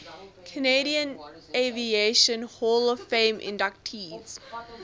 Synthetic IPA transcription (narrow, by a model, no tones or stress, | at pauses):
kʰəneɾiə̃n | evieʃə̃nholɔv̥fẽɪmʔɪ̰̃ndak̚tʰiːz̥